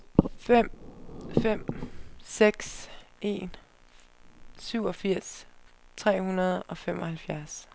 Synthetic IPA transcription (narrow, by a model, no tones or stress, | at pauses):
fem̰fem̰seɡ̥se̝̰n | syʊ̰ɒ̽fiɐ̰st͡sʰʁɛ̰ːhunɐð̞ˠɒ̽fem̰ɒ̽hælfjæɐs